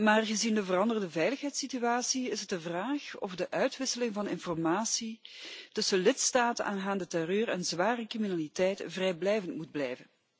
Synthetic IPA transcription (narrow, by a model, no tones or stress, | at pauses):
maːrɣəzindəvərɑndərəndəvɛjləxɦɛjtsityaːsiɪsɦət̚dəvraːxɔ̰vdəʔœɥtʋɪsəlɪŋvɑnɪnfɔrmaːsitɵsəlɪtstaːtənʔaːnɦaːndətɛrøːrənzʋaːrəkriminalitɛjtvrɛjblɛjvəntmud̚blɛjvən